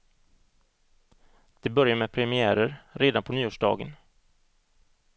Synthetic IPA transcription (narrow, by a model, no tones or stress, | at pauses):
d̪̥ɛbœɾjamɛːpʰɾɛmɪæːɾəɾɾeːd̪anpʰɔnyːuːʂɖɑ̰ːɡə̰n